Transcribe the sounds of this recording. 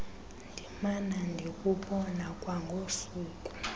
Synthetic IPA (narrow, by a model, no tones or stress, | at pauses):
ndʱimanandʱikʼuɓɔnakʼwaŋɡʱosuːkʼu̥